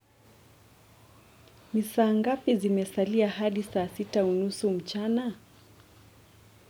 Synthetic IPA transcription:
misaːŋɡapizimɛsaliahaɗisaːsitaunusum̩t͡ʃana

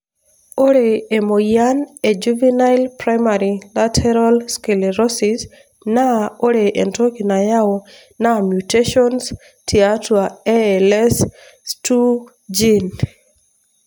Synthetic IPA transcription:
oɾeːmojaned͡ʒuvinajlpɾajmaɾilatʰɛɾalskeleɾɔsis | naoɾeʔentokinajawo | namjuteʃɔns | tʰiatwaelɛs | tu | d͡ʒin

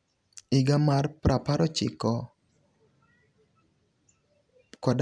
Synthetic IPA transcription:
iɡamarpɾapaɾɔt͡ʃɪ̰kɔ | kɔd

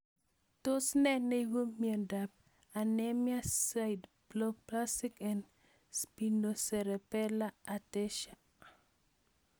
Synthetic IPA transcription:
tosnɛnewumiendap̚ | anemjasajd | blɔk̚plastikɛn | spinosɛɾɛpɛlaatɛʃa

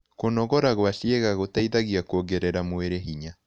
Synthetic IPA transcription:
konɔɣɔɾaɣwaʃieɣaɣotaiðaɣiakoɡeɾɛɾamoeɾeɦiɲa

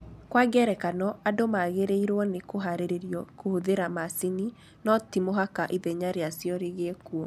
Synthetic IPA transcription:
kwaɡɛɾɛkanɔadomaɣeɾeiɾwɔnekoɦaɾeɾeɾjɔkohoðeɾamaseni | nɔtimoɦakaʔiðɛɲaɾeasjɔɾeɣeːkuɔ

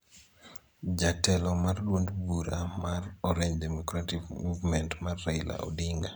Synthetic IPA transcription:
d͡ʒatɛlɔmarlwondbuɾamarɔɾeɲdɛmɔkɾatikmuvmɛntmarːɛjla̰ʔɔ̰diŋɡa

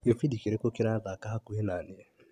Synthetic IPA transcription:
efidikeɾekokeɾaðakaɦakuenanea

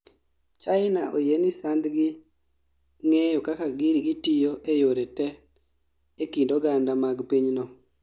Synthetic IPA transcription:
t͡ʃaɪnaʔojenisandɡɪ | ŋejɔkakaɡiɾɡitijoʔejoɾetɛ | ekindoɡandamaɡpiɲnɔ

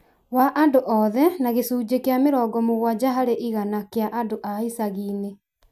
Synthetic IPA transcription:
waʔandoʔɔðɛnaɣesuːd͡ʑekeameɾɔɡɔmoɣwad͡ʑaɦaɾeʔiɣanakeaʔandoʔaisaɣiːne

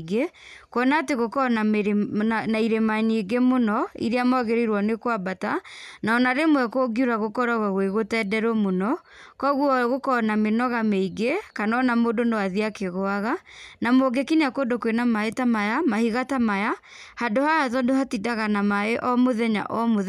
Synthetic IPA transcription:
ɡe | kwɔnaːteɣokɔna | naiɾemaɲeɡemonɔḭɾeamɔɣeɾeɾwɔnekwabatanaɔnaɾemwɛkoɡiuɾaɣokɔɾaɣwaɣweɣotɛːdɛɾomonɔ | kɔɣuɣokɔnamenɔɣameiɡekanɔnamodonowaðiakeɣɔaɣanamoɡekineakondokwenamaetamajamahiɣatamaja | handohaaðɔndohatidaɣanamaeʔɔmoðɛɲa̰ʔɔmoð

